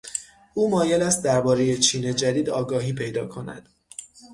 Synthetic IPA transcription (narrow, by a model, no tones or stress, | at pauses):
uːmɒːje̞læst̪̚d̪æɾbɒːɾeje̞t͡ʃʰiːne̞d͡ʒæd̪iːd̪ɒːɡɒːɦiːpʰe̞jd̪ɒːkʰo̞næ̰d̪̥